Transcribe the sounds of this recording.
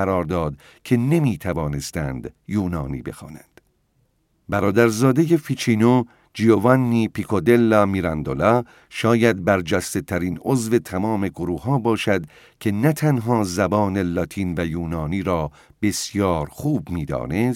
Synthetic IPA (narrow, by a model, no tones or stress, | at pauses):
æɾɒːɾd̪ɒːd̪ | kʲʰe̞ne̞miːt̪ʰævɒːne̞st̪ænd̪̥juːnɒːnḭːbe̞̰xɒ̰ːnænd̪̥ | bæɾɒːd̪æɾzɒːd̪eje̞fit͡ʃʰiːno | d͡ʒiovɑnːiːpʰikʰod̪elːɒːmiɾɑnd̪olɒː | ʃɒːjæd̪̚bæɾd͡ʒæst̪e̞t̪ʰæɾiːnozve̞t̪ʰæmɒːme̞ɡoɾuːhɦɒːbɒːʃæd̪ | kʰe̞næt̪ʰænɦɒːzæbɒːne̞lɒːt̪ʰiːnvæjuːnɒːniːɾɒː | b̥e̞sjɒːɾxuːbmiːd̪ɒ̰ːnes